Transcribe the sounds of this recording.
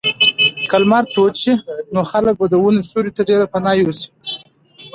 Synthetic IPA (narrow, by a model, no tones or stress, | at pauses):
kalmaɾt̪ot͡ʃinoxalək̚bad̪əwunesuɾit̪aɖeɾapanɑjwusi̥